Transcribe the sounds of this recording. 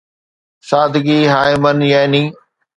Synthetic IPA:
saːd̪ʱɡiːɦaːɪmənjaɪnĩː

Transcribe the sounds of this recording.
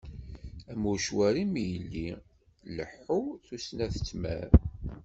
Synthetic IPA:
æmuʃwæɾimijəlːi | ləħːuθusnæθə̥t͡sːmæ̰ɾ

